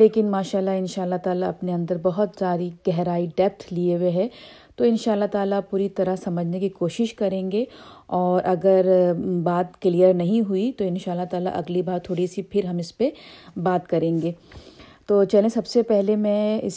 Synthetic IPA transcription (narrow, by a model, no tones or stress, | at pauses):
leːkɪnmaːʃaːlːaɪnʃaːlːat̪aːlaɐpneɐ̃nd̪əɾbɐɦʊt̪saːɾiɡ̥ɛɦɾaːiɖɛːp̚ʈʰlieweɦɛ̃ | t̪oːɪnʃaːlːat̪aːlapuːɾit̪ɐɾəɦsɐməd͡ʒʱnekikoːʃɪʃkɐɾẽːŋɡeɔːɾʔɐɡəɾbaːt̪klijəɾnɐɦĩɦuit̪oɪnʃaːlːat̪aːla̰ʔɐ̰ɡlibaːɾt̪ʰoːɽisipʰɪɾɦɐmɪspebaːt̪kɐɾẽːŋɡeːt̪oːt͡ʃɐlẽsɐbsepɛɦlemɛ̃ɪ̰s